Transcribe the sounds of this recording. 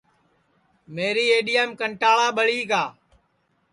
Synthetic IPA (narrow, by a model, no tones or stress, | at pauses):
meːɾiːeːɗijəmkəɳʈaːɭaːɓəɭiːkaː